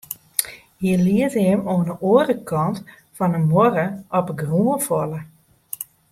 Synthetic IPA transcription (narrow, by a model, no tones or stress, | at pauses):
hiəliətɛmonəoədəkʰɔnt | fɔnəmɔɾəʔɔpəɡruəfɔlə